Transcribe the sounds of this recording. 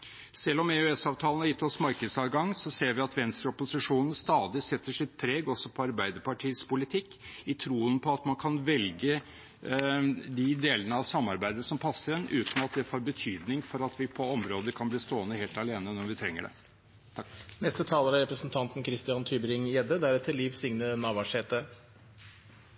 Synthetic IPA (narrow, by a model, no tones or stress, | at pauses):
sɛlːɔmɛøɛsɑːʋt̪ʰɑːl̩hɑɾjɪt̪ːɔsmɑɾkəd̪sɑːʋɡɑŋːsɔseːɾʋɪɑt̪ʋɛnst̪ɾəɔpʊsɪʂuːnən̩st̪ɑːd̪ɪsɛt̪ːəʂɪt̪̚pʰɾeːɡɔsːɔpʰɔɑɾbæɪd̪əpɑʈʰiːspʊlɪt̪ʰɪkːɪt̪ʰɾuːənpʰɔɑt̪mɑnkʰɑnʋɛlɡə | d̪ɪd̪eːlənəɑʋsɑmːɑɾbæɪd̪əsɔmpʰɑsːəɾɛnʔʉːt̪n̩ɑt̪̚d̪ɛfoːɾbət̪ʰyːd̪nɪŋfɔɾɑt̪ʋɪpʰɔɔmɾoːd̪əkʰɑnbliːst̪oːənəheːlt̪ɑleːnənɔɾʋɪt̪ʰɾɛŋːəɖɛ̰ | nɛst̪ət̪ʰɑːləɾɑɾɛpɾəsn̩t̪ʰɑnt̪n̩kʰɾɪst̪ɪɑnt̪ʰyːbəɾɪŋjɛd̪əd̪æɾɛt̪ʰːɪlːiːʋsɪŋnənɑːʋɑʂheːt̪ə